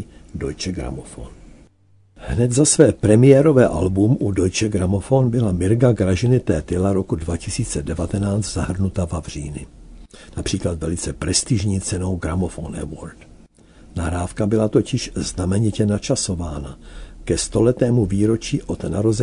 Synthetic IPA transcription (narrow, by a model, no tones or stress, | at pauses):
do̞jt͡ʃɛɡɾa̰mofo̰n | hnɛt̪zasvɛːpɾɛmɪjɛɾo̞vɛːʔa̰lbumʔudo̞jt͡ʃɛɡɾamofo̞nbɪlamɪɾɡaɡɾaʒɪnɪt̪ɛːt̪ɪlaɾo̞kudvacɪsiːt͡sɛdɛvat̪ɛnaːt͡st̪zaɦr̩nut̪avavr̝ḭːnɪnapr̥iːklat̪vɛlɪt͡sɛpɾɛst̪ɪʒɲiːt͡sɛno̞wɡɾamofonɛ̰voɾt̪ | naɦɾaːfkabɪlat̪o̞cɪʃznamɛɲɪcɛnat͡ʃaso̞vaːnakɛst̪o̞lɛt̪ɛːmuviːɾo̞t͡ʃiːʔo̞t̪naɾo̞zɛ